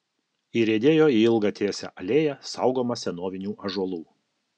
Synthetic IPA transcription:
iɾʲeːd̪ʲeːjoːiɪlˠɡɑt̪ʲʰeːsʲɛ̰ʔɐlʲeːjɛsɑˑʊɡoːmɐsʲɛnoːʋʲɪnʲuːʔɐʒuɔlˠuː

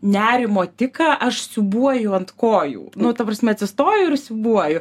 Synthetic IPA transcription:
nʲæːɾʲɪmoːt̪ʲɪkɐʔɐʃsʲʊbuɔjʊɐnt̪koːjṵːnʊt̪ɐpɾɐsʲmʲɛɐt̪sʲɪst̪oːjʊɪɾsʲʊbuɔjʊ

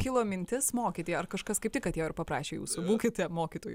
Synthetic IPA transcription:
kʲɪlˠoːmʲɪnʲt̪ʲɪsmoːkʲit̪ʲeːjɛɐrkɐʃkɐskɐɪp̚tʲɪkɐt̪jɛɪɾpɐpɾɑːʃʲeːjṵːsʊbuːkʲɪt̪ʲɛmoːkʲiːt̪oːju

